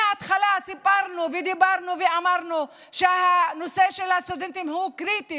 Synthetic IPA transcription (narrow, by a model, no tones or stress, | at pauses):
at̪χalasipaʁnuved̪ibaʁnuveamaʁnu | ʃehanoseʃelhast̪ud̪ent̪imhukʁit̪i